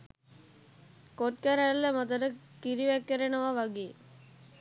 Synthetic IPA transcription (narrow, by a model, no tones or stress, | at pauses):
kot̪̚kaɾalːəmət̪əɾə | kiɾiʋækːəɾenəʋaʋaɡeː